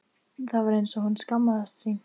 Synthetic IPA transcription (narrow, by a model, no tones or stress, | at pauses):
θavaɾejnsɔhunskamːaðast̪sin